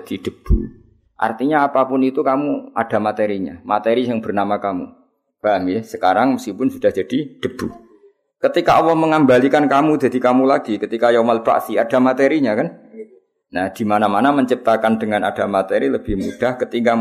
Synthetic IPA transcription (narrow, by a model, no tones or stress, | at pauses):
d̥id̥əb̥ṵ | ʔa̰rt̪iɲaːpapʊnit̪ukamuʔa̰d̥a̤mat̪eɾiɲa̰mat̪eɾisəŋb̥ərnamakamṵ | b̥aŋɪsəkaɾaŋməskipʊnsud̥ahd͡ʒad̥id̥əb̥u | kət̪ikaʔɔwɔhməŋambalikankamud͡ʒa̤d̪ikamulaɡ̥ikət̪ikajomalb̥a̰ʔsiad̥a̤mat̪eɾiɲakan | nahd̪̥imanamanaməɲt͡ʃip̚t̪akandəŋana̰d̥amat̪eɾiləb̥ɪhmud̥ahkət̪iŋɡa